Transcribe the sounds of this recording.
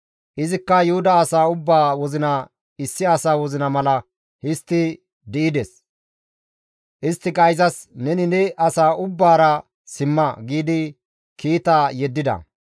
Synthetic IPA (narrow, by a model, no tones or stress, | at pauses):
ʔɪzɪkːɐjʊhʊd̪ɐːsaːʊbːaːwɔzɪnɐ | ɪsːɪɐsaːwɔzɪnɐmɐlɐ | hɪst̪ːɪ | d̪ɪʔɪd̪ɛs | ʔɪst̪ːɪkʼɐjzɐsnɛnɪnɛʔɐsaːʔʊbːaːɾɐ | sɪmːɐɡiːd̪ɪ | kiːt̪aːjɛd̪ːɪd̪ɐ̰